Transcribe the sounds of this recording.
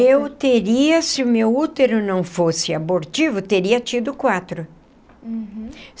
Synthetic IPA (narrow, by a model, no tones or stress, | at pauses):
ewt̪eɾiɐsɪʊmewut̪eɾʊnɐ̃w̃fosɪaboɾt͡ʃivʊt̪eɾiɐt͡ʃid̪ʊkwat̪ɾʊ